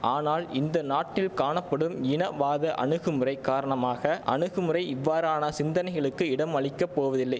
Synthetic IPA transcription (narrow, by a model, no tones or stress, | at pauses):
aːnaːlɪnd̪ɐnaːʈːɪlkaːɳɐpːɐɽɯmɪnɐʋaːðɐʔɐ̰ɳɯɣɯmɯrɐɪkaːɾɐɳɐmaːɣɐʔɐ̰ɳɯɣɯmɯɾɐɪɪʋːaːɾaːnɐsɪnd̪ɐnɐɪɣɐɭɯkːɯɪɽɐmɐɭɪkːɐpːoːʋɐðɪlːɐɪ